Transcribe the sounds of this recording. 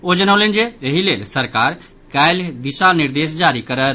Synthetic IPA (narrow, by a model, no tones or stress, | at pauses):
od͡ʒənəwlend͡ʒeeɦilelsəɾkaɾ | kajld̪isaniɾd̪es̬d͡ʒaɾikəɾət̪